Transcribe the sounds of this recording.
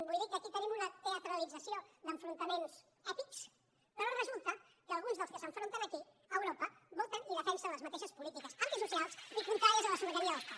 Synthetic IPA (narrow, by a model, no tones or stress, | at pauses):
bujðikːəkit̪ənimunət̪eət̪ɾəlid͡zəsiod̪əɱfɾunt̪əmens | ɛt̪iks | pəɾorəzulˠt̪ə | kəlˠɣ̞unzðəlˠskəsəɱfɾont̪ənəki | əwɾopəβot̪əniðəfɛnsələzmət̪eʃəspulit̪ikəsanisusialˠsikunt̪ɾaɾiəzələsuəʒəɾiəðəska